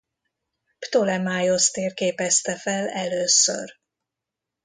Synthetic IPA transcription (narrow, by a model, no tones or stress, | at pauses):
pt̪olɛmaːjost̪eːrkeːpɛst̪ɛfɛlɛløːsø̰r